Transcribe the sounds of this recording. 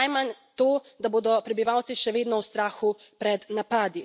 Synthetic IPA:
ajmant̪oː | d̪aboːd̪ɔpɾɛbiʋaːwt̪siʃɛʋeːd̪nɔwst̪ɾaːxupɾɛd̪napaːd̪i

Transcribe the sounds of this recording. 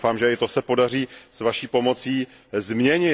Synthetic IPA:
faːmʒɛɪt̪o̞sɛpo̞dar̝iːsvaʃiːpo̞mo̞t͡siː | zmɲɛɲɪ

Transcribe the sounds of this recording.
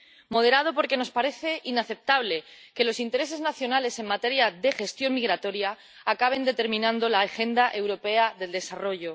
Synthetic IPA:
mo̞ðe̞ɾað̞o̞po̞ɾke̞no̞spaɾe̞θe̞ʔinaθe̞p̚t̪aβle̞ke̞lo̞sint̪e̞ɾe̞s̬e̞znaθjo̞nale̞se̞ŋmat̪e̞ɾjaðe̞xe̞st̪jo̞ŋmiɣ̞ɾat̪o̞ɾjaː | kaβ̞e̞nd̪e̞t̪e̞ɾmĩnãnd̪o̞laxe̞nd̪aʔe̞wɾo̞pe̞aðe̞ld̪e̞saro̞ʝo̞

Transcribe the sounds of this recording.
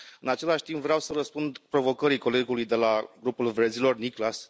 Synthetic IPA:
ɨnat͡ʃe̞laʃʲt̪impvɾeawsəɾəspund̪pɾo̞vo̞kəɾiko̞le̞ɡulujd̪e̞laɡɾupulvɾed̪zilo̞rniklas

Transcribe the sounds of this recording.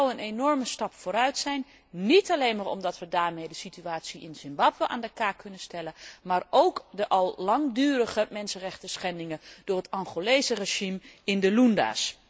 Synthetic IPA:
wənenɔɹməstɑpfoːɾœɥtsɛjn | nitɑlejnmaːɹɔ̰mdɑtʋədaːɹmejdəsityaːtsiɪnzɪmbɑbwəʔa̰ːndəkaːkɵnənstɛləmaːɹowkdəʔɑlˠlɑŋdyːrəχəmɛnsənrɛχtəsχɛndɪŋəd̥ʊːrɦətɑŋχolejzəreʒimɪndəlunda̰ːs

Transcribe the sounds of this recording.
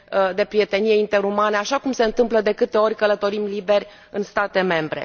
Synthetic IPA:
d̪e̞pɾije̞t̪e̞nijeint̪e̞ɾumaneaʃakumse̞ɨnt̪ɨmpləd̪e̞kɨt̪e̞o̞rʲkələt̪o̞ɾimlibe̞rʲ | ɨnst̪at̪e̞me̞mbɾe̞̰

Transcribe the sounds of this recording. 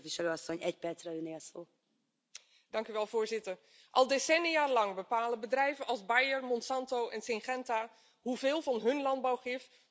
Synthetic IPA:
tviʃɛløːɒsːoɲɛcpɛrt̪srɛøneːɒsoː | d̥ɑŋkyʋɛlˠvʊːɹzɪtər | ʔɑ̰lˠdesɛniaːlɑŋbəpaːləbədrɛjvənʔɑlˠzbajərmɔnsɑntowʔɛnsɪŋχɛntaː | ɦuveːlˠvɑnɦɵnlɑnd̚bawχɪf

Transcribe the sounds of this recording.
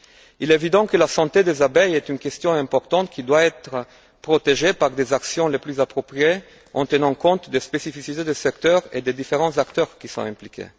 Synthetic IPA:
ilɛevid̪ɑ̃kəlasɑ̃t̪ed̪ezabɛjɛt̪ynkɛst̪jɔ̃ɛ̃mpɔʁt̪ɑ̃t̪kʰid̪waɛt̪ʁə | pʁot̪eʒepaʁd̪ezaksjɔ̃leplyzapʁɔpʁie | ɑ̰̃t̪ənɑ̃kɔ̃t̪d̪espesifisit̪ed̪əsɛkt̪œʁḛd̪ed̪ifeʁɑ̃zakt̪œʁkisɔ̰̃ɛ̃mplikʲḛ

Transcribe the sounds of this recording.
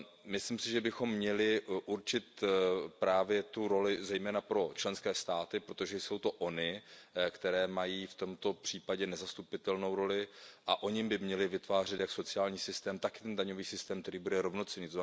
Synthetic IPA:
mɪslimsɪʒɛbɪxo̞mːɲɛlɪʔuɾt͡ʃɪt̪pɾaːvjɛt̪uɾo̞lɪzɛjmɛːnapɾo̞t͡ʃlɛnskɛːst̪aːt̪ɪpɾot̪o̞ʒɛjso̞wt̪o̞ʔo̞nɪkt̪ɛɾɛːmajiːft̪o̞mt̪o̞pr̥iːpaɟɛnɛzast̪upɪt̪ɛlnowɾo̞lɪʔaʔo̞ɲɪmbɪmɲɛlɪvɪt̪vaːr̝ɛt̪jakso̞t͡sɪaːlɲiːsɪst̪ɛːmt̪akɪ̥t̪ɛndaɲo̞viːsɪst̪ɛːmkt̪ɛɾiːbudɛɾo̞vnot͡sɛɲiːt̪oz

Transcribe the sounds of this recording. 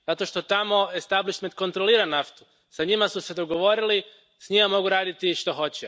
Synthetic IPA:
z̥at̪o̞ʃt̪o̞t̪amo̞est̪abliʃment̪̚ko̞nt̪ɾo̞liːɾanaft̪u̥ | saɲimasused̪o̞ɡo̞ʋo̞ɾili | sɲimamo̞ɡuɾaːd̪it̪iʃt̪o̞xo̞t͡ɕɛ

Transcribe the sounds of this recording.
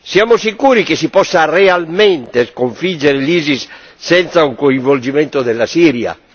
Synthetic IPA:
sjamosikuːɾikesipɔsːarealment̪eskoɱfid͡ʒeɾeliːzisː | ɛnt̪sauŋkoiɱvold͡ʒimẽnt̪od̪elːasiɾja̰

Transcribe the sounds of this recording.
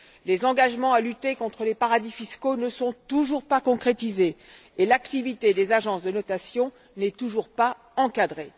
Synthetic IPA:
lezɑ̃ɡaʒmɑ̃alyt̪ekɔ̃t̪χəlepaʁad̪ifiskonəsɔ̃t̪uʒuʁpakɔ̃kχet̪izeː | lakt̪ivit̪ed̪ezaʒɑ̃sd̪ənɔt̪asjɔ̃ | nɛt̪uʒuʁpa | ɑ̃kad̪ʁe

